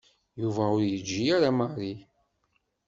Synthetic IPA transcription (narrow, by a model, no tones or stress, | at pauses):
juvæʊɾjəd͡ʒːiaɾamaɾˤi